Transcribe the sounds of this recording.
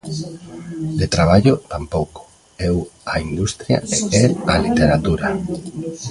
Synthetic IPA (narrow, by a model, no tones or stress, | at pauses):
d̪et̪ɾaβ̞aʎot̪ampowko̥ | ewaind̪ust̪ɾja̰eɛlalit̪eɾat̪uɾa